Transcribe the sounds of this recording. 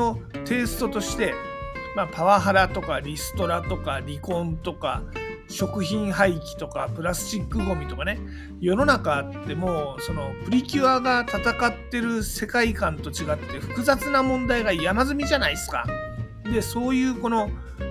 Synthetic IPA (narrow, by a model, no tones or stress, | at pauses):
o̞t̪e̞ːsɨ̥t̪o̞t̪o̞ɕi̥t̪e̞ | mapaβaɦaɾat̪o̞kaɾʲisɨ̥t̪o̞ɾat̪o̞kaɾʲikõ̞nt̪o̞ka̰ | ɕo̞kɯ̟çĩɰ̃haikʲi̥t̪o̞ka̰pɯ̟ɾasɨ̥ɕikːɯɡo̞mʲit̪o̞kane̞ | jo̞no̞nakaːt̪ːe̞mo̞ːso̞no̞ɸɯ̟ɾʲikʲɨaɡat̪at̪akat̪ːe̞ɾɯ̟se̞kaikãnt̪o̞t͡ɕiɡat̪ːe̞ɸɯ̟̥kɯ̟zat͡sɨnamõ̞nd̪aiɡajamazɨmʲiʑanaisɨ̥ka̰ | d̪e̞so̞ːjɯ̟ːko̞no̞